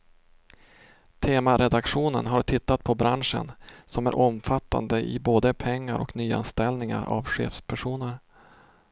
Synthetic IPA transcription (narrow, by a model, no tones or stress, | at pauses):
t̪ʰeːmaɾɛd̪akɧuːnənɦaɾʈʰɪt̪ːat̪̚pʰɔbɾanʂə̰nsɔmæɾʔɔmfat̪ːa̰nd̪əʔɪboːd̪əpʰɛŋːaɾʔɔknyːa̰nst̪ɛlnɪŋa̰ɾa̰vɧḛːfspʰæʂuːnəɾ